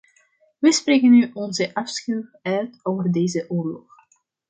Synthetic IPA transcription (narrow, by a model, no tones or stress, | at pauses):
ʋəspreːkənːyʔɔnzəʔɑfskyœɥtoːvərdejzəʔʊːrlɔ̰χ